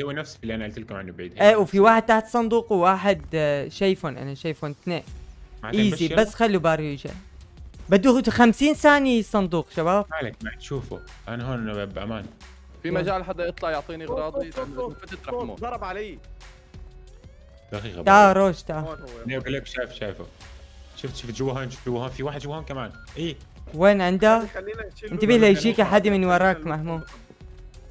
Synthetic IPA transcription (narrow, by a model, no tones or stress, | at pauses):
awːanafsfilːiʔanʔalt̪ɪlkʊmʕɪnːubʕiːd̪haʔeːwfiwaːħɪd̪̚t̪aħt̪sˤɑnd̪uːqwwaːħɪd̪ʃajfuːnʔa̰naʃajfunt̪neːmaʕʔiːzibasːxalːubɑːɾˤjid͡ʒa̰ | bad̪ːuxamsiːnsaːnisˤɑnd̪uːqʃabaːbalakmaat̪ʃuːfʊ̰ | ʔanaɦoːnʔababʔa̰maːn | fimad͡ʒaːlħad̪ːajɨt̪ˤlɑʕjʊʕt̪ˤiːniɣɾˤɑːd̪ˤifat̪at̪ɾɑmɑɾˤɑbʕalaj | d̪axiːɣa̰t̪aɾˤoːʃt̪aleːbleːkʃaːjfʃaːjfuʃʊft̪ʃuft̪ʒʊwaɦoːnʃuːfd͡ʒuwːahoːnfiwaːħɪd̪ʃʊbhoːnkamaːn | ʔiːweːnʕɪnd̪alːiɪnt̪abiːhlajʒiːkaħad̪imɪnwɑɾˤɑːkmaħmuː